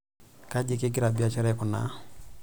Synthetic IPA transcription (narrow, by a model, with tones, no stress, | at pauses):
ka˦d͡ʒi˦˨kɪ˦ɡɪ˦ɾa˨bi˦a˨t͡ʃɛ˦ɾɛ˦kʊ˨na̰˨˦